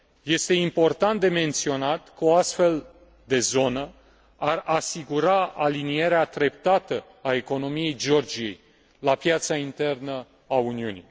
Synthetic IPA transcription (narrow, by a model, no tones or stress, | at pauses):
je̞st̪e̞impo̞rt̪ant̪d̪e̞me̞nt̪sio̞nat̪kəoast̪fe̞l | d̪e̞zo̞nə | arasiɡuɾaalinije̞ɾeat̪ɾe̞p̚t̪at̪ə | ae̞ko̞no̞mije̞jd͡ʒeo̞rd͡ʒije̞̰j | lapjat̪saint̪e̞rnə | auniunḭ